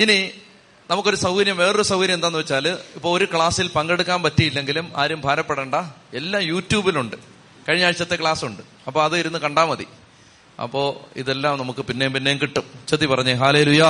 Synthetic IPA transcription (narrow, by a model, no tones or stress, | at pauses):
ini | nɐmukːo̞ɾusɐʋuɾjɐmʋeːrusɐwuɾjɐmend̪aːnːɨʋɐt͡ɕːaːlipːo̞ːɭoɾukɭaːsilpɐŋɡe̞ɽukːaːnpɐtːijilːe̞ŋɡiluma̰ːɾumbʱaːɾɐpːeɽeːɳɖɐe̞lːaːmjuːtːjuːbiluɳɖɨ | kɐɻiɲːaːɻit͡ɕːɐt̪ːe̞kɭaːsuɳɖɨ | ɐpːoːɐðɨiɾunːɨkɐɳɖaːmɐðḭ | ɐ̰pːo̞ːḭðe̞lːaːmnɐmukːɨpinːe̞jumpinːe̞jumkiʈːumt͡ɕɐt̪ːipɐrɐɲːɨɦaːleːluːjɐ